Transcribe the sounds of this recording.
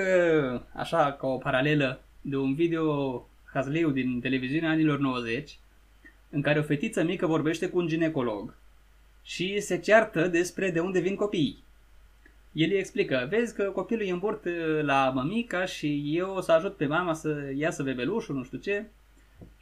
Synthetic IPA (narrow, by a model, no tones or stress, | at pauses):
əa̰ʃakaopaɾale̞lə | d̪e̞unvid̪e̞o̞ | xazliwd̪int̪e̞le̞viziuneaanilo̞rno̞wəze̞t͡ʃʲ | ɨŋkaɾe̞o̞fe̞t̪it̪səmikəvo̞rbe̞ʃt̪e̞kuːnd͡ʒine̞ko̞lo̞ɡ | ʃise̞t͡ʃeart̪əd̪e̞spɾe̞d̪e̞und̪e̞vinko̞pij | je̞lje̞ksplikəve̞zʲkəko̞piulujəmburt̪laməmikaʃije̞wsəaʒut̪̚pe̞mamasəjasəve̞be̞luʃunuʃt̪ut͡ʃe̞